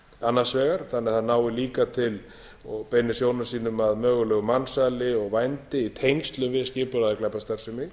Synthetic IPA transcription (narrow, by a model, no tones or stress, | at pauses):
anːasvɛːɣaɾ̥θanːɛɾ̥θaðnaːwɪliːkat̪ʰɪl | ɔɣpejnːɪsjownasiːnʏmaðmœːɣʏlœːɣʏmansaːlɪɔɣvajnt̪ɪit̪ʰejŋst̪lʏmvɪðscɪːpʏɾaðaklɛpːast̪aɾ̥sʏmɪ